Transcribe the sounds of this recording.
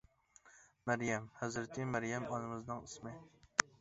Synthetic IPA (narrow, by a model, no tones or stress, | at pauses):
mæɾjɛmhæzɾt̪ʰɪmæɾjɛmɑnɨmɨznɨŋismɪ